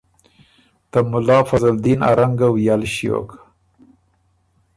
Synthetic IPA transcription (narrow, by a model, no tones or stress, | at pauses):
t̪amʊlɑfazald̪ina̰ɾaŋɡawjalʃijo̰k